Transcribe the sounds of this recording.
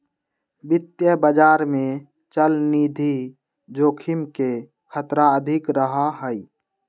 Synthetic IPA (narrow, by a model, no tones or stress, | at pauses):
bɪt̪jəbəd͡ʒaːɾmẽ | t͡ʃəlniːd̪ʱi | d͡ʒoːkʰimke | kʰət̪ɾaəd̪ʱɪkɾəɦaɦəi